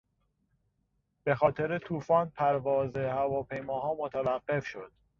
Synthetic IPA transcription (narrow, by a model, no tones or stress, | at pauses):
b̥e̞xɒːt̪ʰe̞ɾet̪ʰuːfɒːnpʰæɾvɒːzehævɒːpʰe̞jmɒːɦɒːmot̪ʰævæɢːe̞fʃo̞d̪̥